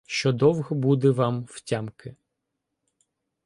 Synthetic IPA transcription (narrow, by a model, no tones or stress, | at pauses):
ʃt͡ʃɔd̪ɔwɣɔbud̪ɛʋɑmwtʲamkɪ